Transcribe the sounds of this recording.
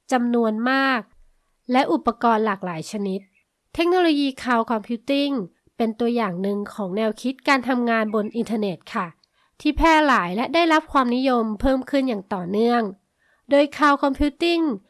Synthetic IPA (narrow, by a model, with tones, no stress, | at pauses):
t͡ɕa˧mnu˧ənmaː˥˩k̚ | lɛ˦˥ʔu˨˩pːa˧kɔː˧nlaː˨˩k̚laː˩˦jt͡ɕʰa˧ni˦˥t̪ʰː | e˦˥k̚noː˧loː˧jiː˧kʰaː˧wkʰɔ˧mpʰiː˦˥t̪i˥˩ŋ | pe˧nt̪u˧əjaː˨˩ŋnɯ˨ŋkʰɔː˩˦ŋnɛː˧wkʰi˦˥t̪̚kaː˧nt̪ʰa˧mŋaː˧nbo˧nʔi˧nt̪ʰaː˧ne˨˩t̪̚kʰa˥˩ | t̪ʰiː˥˩pʰɛː˥˩laː˩˦jlɛ˦˥daː˥˩jɾa˦˥p̚kʰwaː˧mni˦˥jo˧mpʰɤː˥˩mkʰɯ˥˩njaː˨˩ŋt̪ɔː˨˩nɯ˥˩əŋ | doː˧jkʰaː˧wkʰɔ˧mpʰiː˦˥t̪i˥˩ŋ